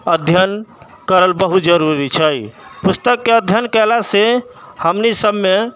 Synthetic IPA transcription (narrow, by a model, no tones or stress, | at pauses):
əd̪ʱjən | kəɾəlbəɦut̪̚d͡ʒəɾuɾit͡ʃʰəjpust̪əkːeəd̪ʱjənkɛlasehəmnisəbme